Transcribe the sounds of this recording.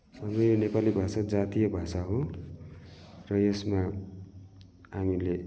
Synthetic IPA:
ʌd͡zʌjonepalibʱasad͡zat̪ijʌbʱasaɦõ | rʌesma | aŋule

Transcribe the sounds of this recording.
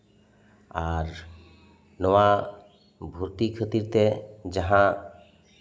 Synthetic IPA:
aɾ | nowa | bʱuɾt̪ikʰət̪iɾt̪ed͡ʒaɦã

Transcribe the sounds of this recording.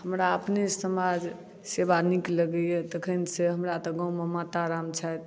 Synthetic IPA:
həmɾaəpnesəmad͡ʒ | sebanikləɡəjet̪əkʰənseɦəmɾat̪ɔɡãwmemat̪aɾamt͡ʃʰajt̪

